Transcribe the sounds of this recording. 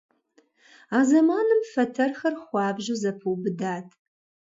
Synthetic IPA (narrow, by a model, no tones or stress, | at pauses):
aːzɐmaːnɨmfɐtʰɐrxɐrχʷɑːbʒɨzɐpʰɨwbɨdaːtʰ